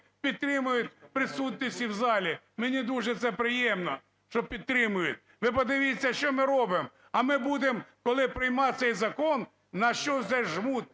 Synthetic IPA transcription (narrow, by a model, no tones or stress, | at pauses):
pʲid̪̚t̪ɾɪmʊjʊt̪ʲpɾɪsut̪̬̚ʲnʲisʲtʲiwzɑlʲi | menʲid̪uʒɛt̪sɛpɾɪjɛmnɔ | ʃt͡ʃɔpʲid̪̚t̪ɾɪmʊjʊt̪̚ʲ | ʋɪpɔd̪ɪʋʲit͡sʲːɐʃt͡ʃɔmɪɾɔbɪm | ɐmɪbud̪emkɔlˠɪpɾɪjmɑt̪sɛjzɐkɔnː | ɐʃt͡ʃɔt̪sɛʒmut̪̚